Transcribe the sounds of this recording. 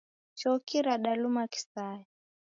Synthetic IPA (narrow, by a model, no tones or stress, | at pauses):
t͡ʃɔkiɾaɗalumaki̥sajɛ